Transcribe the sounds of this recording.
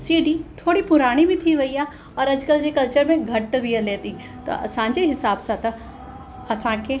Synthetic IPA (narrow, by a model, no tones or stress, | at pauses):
siːɖit̪ʰoːɽipʊɾaːɽ̃ibʱit̪ʰiʋɐija | ɔːɾɐd͡ʒkəld͡ʒekɐlt͡ʃəɾmẽɡʱɐʈbʱieleːt̪i | t̪o̰ʔɐ̰sãːɲd͡ʒeɦɪsaːbsat̪ɐ | ɐsãːke